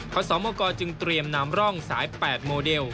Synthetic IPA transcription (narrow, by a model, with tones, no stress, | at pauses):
kʰɔː˧˥sɔː˩˦mɔː˧kɔː˧t͡ɕɯ˧ŋt̪ɾi˧əmnaː˦˥mɾɔ˥˩ŋsaː˩˦jpɛː˨˩t̪̚moː˧de˧w